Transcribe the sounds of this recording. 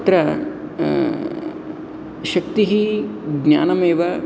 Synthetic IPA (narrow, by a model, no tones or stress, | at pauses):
t̪ɾɐ | ʃɐk̚t̪iɦiɡna̰ːnɐmeːʋɐ